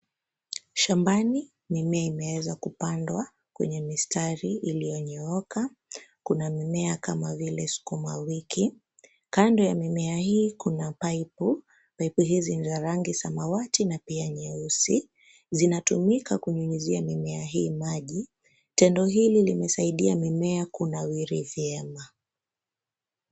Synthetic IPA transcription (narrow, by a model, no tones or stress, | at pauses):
ʃambani | mimɛaimɛwɛzakupandwa | kwɛ̰ɲɛmistaɾiʔːlijɔɲɛɔka | kunamimɛakamavilɛsi̥kumwawikʰi | kandɔjamimɛahiːkunapaipu | paipuɦizinzaɾaŋɡisamawatinapiaɲɛusi | zinatumikakuɲuɲuziamimɛaɦiːmaʄi | tɛndɔɦililimɛsaiɗiamimɛakunawiɾivjɛma